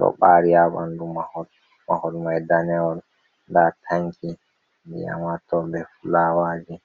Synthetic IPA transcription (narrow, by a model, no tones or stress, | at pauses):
ɗɔ̰ɓaɾijabandumahɔd | mahɔdmajdanɛɔl | ndatʰaŋki | bɛja̰matɔbɛfulaːwaːd͡ʒɛ